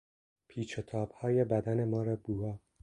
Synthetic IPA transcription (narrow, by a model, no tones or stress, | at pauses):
pʰiːt͡ʃʰet̪ʰɒːb̥hɒːjebæd̪ænemɒːɾɒːbuɒː